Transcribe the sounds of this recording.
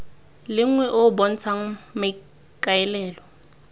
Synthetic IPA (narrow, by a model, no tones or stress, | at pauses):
lɪŋ̩wɛʔʊbɔn̩t͡sʰaŋ̩mɪ | kʼaɪlɛːlɔ